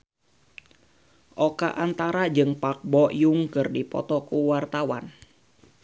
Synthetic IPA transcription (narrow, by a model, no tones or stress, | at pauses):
ʔɔka̰ʔant̪aɾad͡ʒɨŋpak̚bɔjuŋkɨrdipɔ̰t̪ɔkuwart̪awa̰n